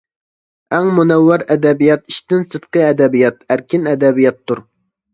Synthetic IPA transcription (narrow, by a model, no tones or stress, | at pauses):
æŋmunɛwːɑɾɛd̪ɛbijɑt̪iʃt̪ɪnsɨd̪̥̚qəɛd̪ɛbijɑt̪̚æɾkʲʰɪnɛd̪ɛbijɑt̪ʰːuɾ